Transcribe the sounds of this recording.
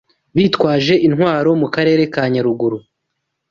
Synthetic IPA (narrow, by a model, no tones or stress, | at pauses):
βiːtkwaːʒe̞ʔinɦwaːɾo̞mukaɾe̞ːɾe̞kaːɲaɾuɡuɾu